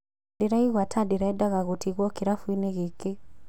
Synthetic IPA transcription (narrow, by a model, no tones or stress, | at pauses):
diɾaiɣwatʰadiɾaɛdaɣaɣutʰiɣwɔkiɾafuinɛɣeke